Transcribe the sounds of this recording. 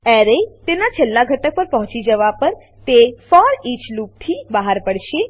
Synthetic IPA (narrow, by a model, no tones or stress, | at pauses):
ɛɾet̪enat͡ʃʰelːaɡʱəʈək̚pəɾpəɦɔ̃t͡ʃid͡ʒəʋapəɾ | t̪efɔɾit͡ʃlup̚t̪ʰibəɦaɾpəɽʃe